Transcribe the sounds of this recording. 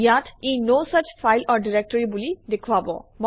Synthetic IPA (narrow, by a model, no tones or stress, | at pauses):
jatʰenosət͡ʃfʰajlɔɹɖiɹek̚ʈɔɹibulidekʰuabɔ̰mɔ